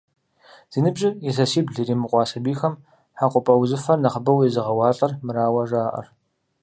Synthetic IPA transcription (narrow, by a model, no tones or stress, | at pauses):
z̥iːnɨbʑʼɪiɬɐsiːbɮiɾiːmɨqʷʼɑːsɐbiːxɐm | ħaqʷʼʊpʼɐwzɨfɐrnɐχəbɐwizɨʁɐwɑːɬʼɐrmɨɾaːwɐʒaːʔɐ̰r